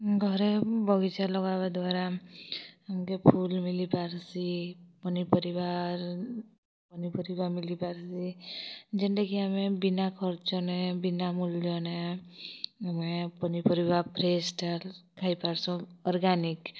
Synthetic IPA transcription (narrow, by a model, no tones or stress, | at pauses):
ɡʱɔɾebʱɔɡit͡ʃalɔɡabad̪waɾa | amkepʰulmilipaɾsipɔnipɔɾibaɾ | pɔnipɔɾibamilipaɾsi | d͡ʒeɳʈekiamebinakʰɔɾt͡ʃɔnebinamulɔne | amepɔnipɔɾibaɾpɾesʈalkʰajpaɾsɔ̃ɔɾɡanik